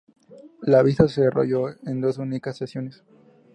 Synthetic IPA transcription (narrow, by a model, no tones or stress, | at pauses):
laβisasero̰ʝo̞end̪o̞sunikasːesjo̞nes